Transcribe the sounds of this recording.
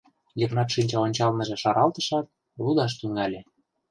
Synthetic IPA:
jəknɑt̪ʃinʲt͡ɕɑonʲt͡ɕɑlmə̆ʒĕʃɑɾɑlt̪ə̆ʃɑt̪̚ | lud̪ɑʃ̬t̪yŋælʲĕ

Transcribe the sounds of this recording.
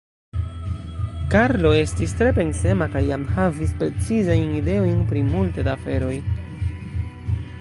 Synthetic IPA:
kaɾlo̞e̞stistɾe̞pe̞nse̞makajamhavispɾe̞t͡sizajnide̞o̞jnpɾimultedafe̞ɾo̞j

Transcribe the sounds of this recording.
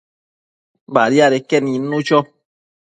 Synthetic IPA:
baɾjaɾekɛninut͡ʃɔ

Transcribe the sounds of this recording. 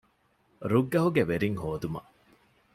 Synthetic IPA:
ɾuɡːɐɦuɡeʋeɾiŋhoːd̪umɐ̰

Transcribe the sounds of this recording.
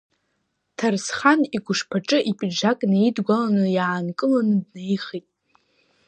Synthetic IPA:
tʰarsχaniɡʷʊʂpʰaʈ͡ʂʼɨʔipʼid͡ʒakʼnaidɡʷalanɨjaːnkʼɨlanɨdnejχitʼ

